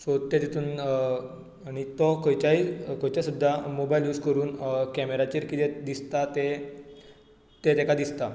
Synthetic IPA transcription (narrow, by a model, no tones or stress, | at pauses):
sot̪ːet̪et̪ʰuːn | aɽ̃it̪ɔkəjt͡ɕaikəjt͡ɕjasud̪ʱːamobajljuːskəɾuːnkɛmeɾat͡ɕiːɾkit̪ed̪ist̪at̪e | t̪et̪ɛkad̪ist̪a